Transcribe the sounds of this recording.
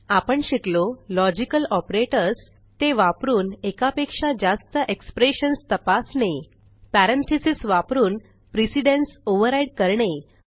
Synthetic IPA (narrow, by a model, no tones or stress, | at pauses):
apəɳɕiklolɔd͡ʑikəlɔpɾeʈəɾs | t̪eʋapɾuːnekapekʂad͡ʑast̪əʔekspɾeɕənst̪əpasne | pæɾent̪ʰesisʋapɾuːn | pɾisiɖensoʋəɾaiɽkəɾɳe